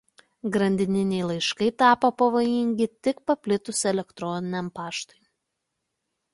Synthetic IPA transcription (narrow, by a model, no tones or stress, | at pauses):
ɡɾɐnʲd̪ʲɪnʲɪnʲɛɪlˠɐɪʃkɐɪt̪ɑːpoːpɐʋoːjɪŋʲɡʲɪt̪ʲɪkpɐpʲlʲɪt̪ʊsɛlʲɛkt̪ɾɔnʲɪnʲɛmpɑːʃt̪ɔj